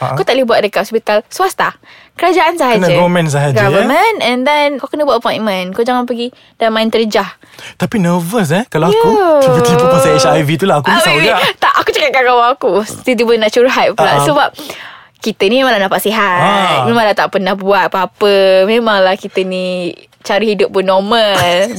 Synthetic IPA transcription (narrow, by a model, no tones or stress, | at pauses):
akawt̪aʔlibuat̪̚dəkaʔsbit̪alsuast̪a | kəɾad͡ʒaʔansaɦanəɡavəmɛ̃ns̬aɦad͡ʒɡavəmə̃nɛ̃ndɛnkawkənəbuat̪̚əpɔj̃nmə̃nkawd͡ʒaŋanpəɡi | d̥almãɪnt̪əɾd͡ʒah | t̪apinəvəs̬ɛkalaaəupət̪ip̪uasaɛʃajvit̪ulaɦakumiaɡat̪aʔakut͡ʃakat̪̚kaɡawaakut̪it̪ubənaʔt͡ʃuɾɦat̪̚pəlasəbap̚ | kit̪ənimẽmãŋlahnaʔpaʔsiɦamẽmãŋlat̪aʔpənahbuat̪̚paɦapəmẽmaŋlahkit̪əni | t͡ʃaɾihidʊp̚ːunːɔməl